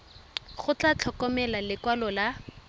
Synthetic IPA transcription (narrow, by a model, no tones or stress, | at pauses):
χʊt͡ɬat͡ɬʰɔkɔmɛlalɪkwalɔla